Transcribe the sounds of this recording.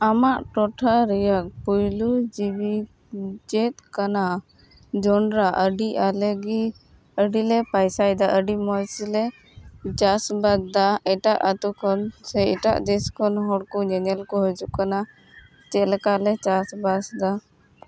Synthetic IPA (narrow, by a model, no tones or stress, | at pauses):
amaʔʈɔʈʰaɾɛjak̚pujlud͡ʒibi | d͡ʒɛt̪̚kana | d͡ʒɔɳɖɾaʔəɖiʔalɛɡi | əɖilɛpajsajd̪aʔəɖimɔsilɛ | t͡ʃasbad̪̚d̪aɛʈaʔət̪ukʰɔnsɛɛʈa̰ʔd̪ɛskɔnɦɔɽkɔɲɛɲɛlkɔɦəd͡ʒuʔkana | t͡ʃɛlɛkalɛt͡ʃasbasd̪a